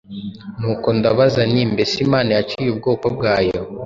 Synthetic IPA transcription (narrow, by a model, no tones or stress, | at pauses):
nuːko̞ndaβazaniːmbe̞simaːnajat͡ʃijub̚ɡoːkob̚ɡaːjo̞